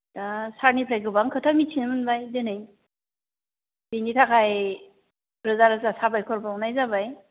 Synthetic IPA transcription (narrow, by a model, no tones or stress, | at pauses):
dasaɾnipʰɾajkɯbaŋkʰɯtʰamitʰinmɯnbajdenɯj | binitʰakʰaj | pʰɾɯzaɾɯzasabajkʰɔɾbawnajzabaj